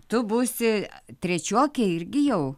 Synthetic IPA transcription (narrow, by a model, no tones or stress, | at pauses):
t̪ʊbuːsʲɪt̪ʲɾʲɛt͡ʃʲuːkʲɛɪɾʲɡʲɪjɛʊ